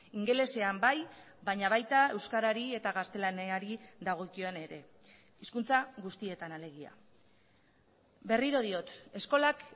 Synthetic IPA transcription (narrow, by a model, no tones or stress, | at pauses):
iŋɡe̞le̞se̞ambaj | βaɲaβajt̪ae̞wskaɾaɾie̞t̪aɣast̪e̞laneaɾid̪aɣ̞o̞kio̞ne̞ɾe̞ | iskunt͡saɣust̪ie̞t̪anale̞ɣia̰ | be̞riɾo̞ð̞io̞t̪e̞sko̞lak